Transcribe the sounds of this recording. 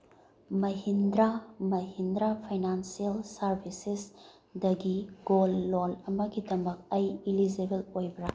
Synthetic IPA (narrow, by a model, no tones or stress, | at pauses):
mɐɦindɾamɐɦindɾapʰɐjnansielsɐɾbʱisis | dɐɡiɡolːolɐmɐɡidɐmɐk̚ɐjilid͡ʒebelojbɐɾa